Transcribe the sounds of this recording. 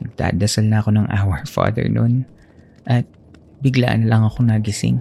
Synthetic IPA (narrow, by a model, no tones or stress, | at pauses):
nɐɡ̚d̪a̰ːd̪ɐsalnɐɐko̞nɐŋʔa̰ːwɛɹfa̰ːd̪ɛ̰ɹnon | ʔɐt̪̚ | bɪɡla̰ʔnɐlɐŋɐko̞naɡɪsɪ̰ŋ